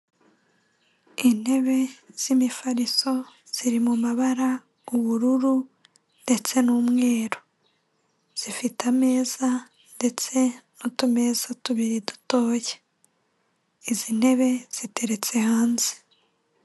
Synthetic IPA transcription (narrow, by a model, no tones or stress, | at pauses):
in̥he̞βe̞z̥imifaɾiso̞z̥iɾimumaβaɾa | uβuɾuɾu | nde̞t͡se̞nuːmŋe̞ːɾo̞ | z̥ifitame̞ːza | nde̞t͡se̞notume̞zatuβiɾidu̥to̞ːje | izin̥e̞βe̞z̥ite̞ɾe̞t͡se̞haːnze̥